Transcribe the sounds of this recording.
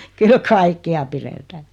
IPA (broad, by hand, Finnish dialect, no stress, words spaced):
kyl kɑikːeɑ piretæː